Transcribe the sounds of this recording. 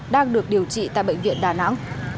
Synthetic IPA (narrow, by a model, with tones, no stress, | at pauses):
ɗaː˧ŋɗɨ˨˩ək̚ɗi˨˩əwt͡ɕḭ˧˨t̪a̰ː˧˨jɓə̰˧˨jŋ̟vḭ˧˨ənɗaː˨˩na̰˧˥ŋ